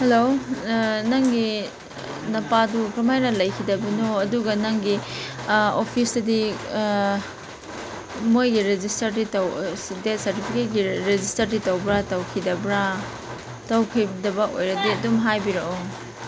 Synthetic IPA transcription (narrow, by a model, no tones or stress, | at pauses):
helo | nɐŋɡi | nɐpadukɾɐmajnɐlɐjkʰidɐbɐnoɐduɡɐnɐŋɡi | opʰisdɐdi | mojɡiɾed͡ʒistɐɾditɐwsdet̚sɐɾtipʰiket̚ɡiɾed͡ʒistɐɾditɐwbɾatɐwkʰidɐbɾa | tɐwkʰijbidɐbɐʔojɾɐdiɐdumɦajbiɾɐʔo